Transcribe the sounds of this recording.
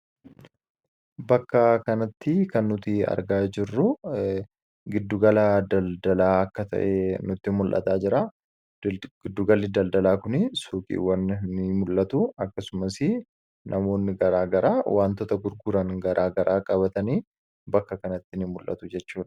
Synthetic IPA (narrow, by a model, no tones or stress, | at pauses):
bɐkːɐkɐnɐt̪ːɪkɐnːʊt̪ɪɐ̰ɾɡaːd͡ʒɪrːʊ | ɡɪd̪ːʊɡɐlɐd̪ɐld̪ɐlaːɐkːɐt̪ɐ̰ʔɛnʊt̪ːɪmʊlʔɐ̰t̪aːd͡ʒɪɾa | ɡɪd̪ːʊɡɐlːɪd̪ɐld̪ɐlaːkʊnɪsuːkʼḭːwːɐnnɪmʊlʔɐt̪ʊɐkːɐsʊmɐsɪ | nʔɐmo̞ːnːɪɡɐɾaːɡɐɾaːwʔaːnt̪ɔt̪ɐɡʊɾɡʊɾɐŋɡɐɾʔaːɡɐɾʔaːkʼɐbɐt̪ɐniː | bɐkːɐkɐnɐt̪ːɪnɪmʊlʔɐ̰t̪ʊd͡ʒɛt͡ʃːuːᶑɐ̥